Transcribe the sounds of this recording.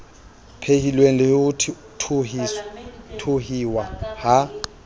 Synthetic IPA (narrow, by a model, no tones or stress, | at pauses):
pʰehilweŋ̩lɪutʰ | tʰi | tʰuhiwaha